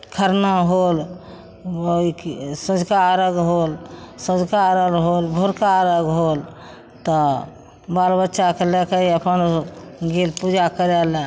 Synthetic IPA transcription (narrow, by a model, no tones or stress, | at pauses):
kʰəɾnaɦol | oisəd͡ʒkaːɾəɡɦolsəd͡ʒkaːɾəɡɦolbʱoɾkaːɾəɡɦol | t̪ɔ | balbətːʃakelekeiəpənɡelpud͡ʒakəɾɛle